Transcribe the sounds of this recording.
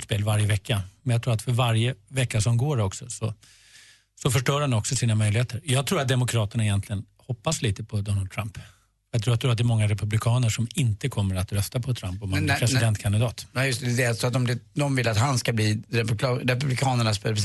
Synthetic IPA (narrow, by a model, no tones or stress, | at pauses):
t̪speːlvaɾjəvɛkːamɛnjaɡt̪ʰɾuːɾat̪fœɾvaɾjəvɛkːasɔmɡoːɾɔksɔsɔ | sɔfœʂʈœːɾhanɔksɔsiːnamœʏjlɪheːt̪ʰəɾjɑːɡt̪ʰɾuːɾat̪̚d̪ɛmʊkʰɾɑːt̪əɳaɪjɛnt̪lɪɡən | hɔpːasliːt̪əpʰɔd̪ɔnald̪t̪ʰɾamp | jat̪ɾuːat̪ʰɾuːɾat̪̚d̪ɛɾmɔŋːaɾɛpɵblɪkʰɑːnəʂɔmɪnt̪əkʰɔmːəɾat̪ɾœst̪apʰɔt̪ʰɾampɔmhanpʰɾɛssɪd̪ɛnt̪̚kʰand̪ɪd̪ɑːt̪ːjɵst̪d̪ɛalsɔat̪̚ɔmd̪ɛd̪ɔmvɪlːat̪hanskabliːɾɛpːɾɛpɵblɪkʰɑːnəɳaspelpʰ